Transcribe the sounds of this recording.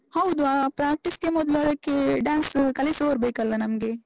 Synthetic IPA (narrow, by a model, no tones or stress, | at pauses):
hɐwd̪uapɾaːk̚ʈiskemɔd̪lɐkeɖãːnskɐlisoːɾbɐikɐɾlɐnɐmɡe